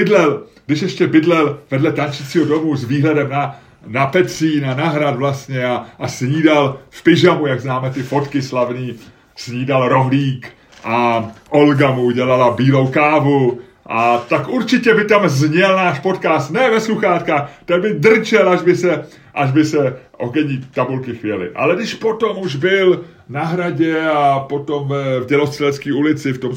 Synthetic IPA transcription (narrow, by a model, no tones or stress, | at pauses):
bɪdlɛlɡdɪʃjɛʃcɛbɪdlɛlvɛdlɛt̪ant͡ʃɪt͡siːɦodo̞muzviːɦlɛdɛmna | napɛt̪siːnanaɦɾat̪vlast̪ɲɛaasɲiːdalfpɪʒamujaɡznaːmɛt̪ɪfo̞t̪kɪslavniː | sɲiːdalɾo̞ɦliːk | ʔaʔo̞lɡamuuɟɛlalabiːlo̞wkaːvu | ʔat̪akʔuɾt͡ʃɪcɛbɪt̪amzɲɛlnaːʃpo̞t̪kaːst̪nɛvɛsluxaːt̪kaːxt̪aɡbɪdr̩t͡ʃɛlaʒbɪsɛ | ʔaʒbɪsɛʔoɡɛɲiːt̪abulkɪxvjɛlɪ̰ʔa̰lɛdɪʃpo̞t̪o̞muʒbɪl | naɦɾaɟɛapo̞t̪o̞mvɛvɟɛlo̞st̪r̥ɛlɛt̪skiːulɪt͡sɪft̪o̞m